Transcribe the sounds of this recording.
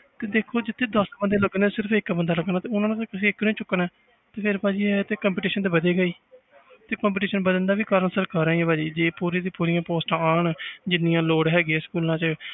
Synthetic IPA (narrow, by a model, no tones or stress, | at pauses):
t̪eːd̪eːkʰːoːd͡ʒɪt̪ʰːeːd̪əsbənd̪eːləɡnaːsɪɾəpʰɪkːbənd̪aːləɡnaːt̪eːʊnãːñːt̪ːkɪsiːɪkːnĩːt͡ʃʊkːnɛː | t̪eːpʰɪɾpaːd͡ʒiːɛːt̪eːkəmpiːʈiːʃənt̪eːbəd̪eːɡəiː | t̪eːkəmp̬iːʈiːʃənbəd̪ənd̪aːʋiːkəɾəɳsəɾkəɾaːiːɛːbaːd͡ʒiːd͡ʒeːpuːɾiːd̪iːpuːɾijãːpoːsʈãːaːɳd͡ʒɪnɪjãːloːɽɦɛːɡɛːskuːlãːt͡ʃə